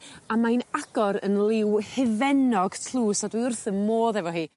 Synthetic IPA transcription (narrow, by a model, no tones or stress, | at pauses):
amajnaɡ̥ɔɾə̰nlˠɪwhɪvɛnɔɡ̥tʰlˠuːsadwiʊrθəmmoːðɛvɔɦiː